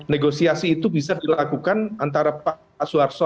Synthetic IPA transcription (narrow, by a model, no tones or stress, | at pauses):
neɡosiasiːt̪ubisadilakukanant̪aɾapa | asuarsɔ